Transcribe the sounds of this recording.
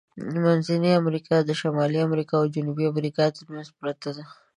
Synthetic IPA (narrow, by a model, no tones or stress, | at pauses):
manzaniamɾikʰɑd̪əʃamɑliamɾikɑawd͡ʒʊnubiamɾikɑt̪əɾmanzpɾat̪ad̪a